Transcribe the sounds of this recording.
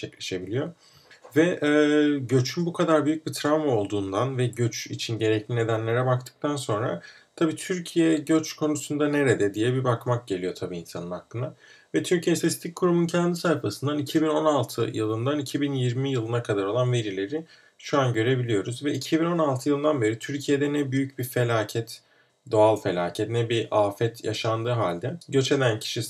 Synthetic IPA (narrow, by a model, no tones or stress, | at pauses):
t͡ʃʰɛclʲe̞ʃe̞bilʲijo̞ | vɛʔɛɟø̞t͡ʃʰynbukʰad̪aɾbyjyc̚bit̪ʰɾavmao̞lˠd̪uːnd̪anvɛɟø̞t͡ʃit͡ʃʰinɟe̞ɾɛclʲine̞d̪ænlʲe̞ɾɛbakt̪ʰɯ̥k̚t̪ʰanso̞nɾa̰ | t̪ʰabiːt̪ʰyɾcʰijɛɟøt͡ʃkʰo̞nusund̪ane̞ɾed̪ɛd̪ijɛbibakmak̚ɟe̞lʲijo̞t̪ʰabiːnsanɯnhakːˠɯnd̪a | vɛt̪ʰyɾcʰijɛsest̪ʰickʰːuɾumuncʰɛnd̪isajfasɯnd̪anicʰibino̞nalˠt̪ʰɯjɯlˠɯnd̪anicʰibinjiɾmijɯlˠɯnakʰad̪aɾo̞lˠanve̞ɾilʲe̞ɾi | ʃuanɟø̞ɾe̞bilʲijo̞ɾuzvɛʔicʰibino̞nalˠt̪ʰɯjɯlˠɯnd̪anbe̞ɾit̪ʰyɾcʰijed̪ɛnɛbyjyc̚bife̞lʲaːcʰɛt̪ | d̪o̞alˠfe̞lʲa̰ːcʰɛt̪nɛbiʔaːfɛt̪ʰja̰ʃand̪ɯːɦaːlʲd̪ɛɟø̞t͡ʃe̞d̪æncʰi̥ʃi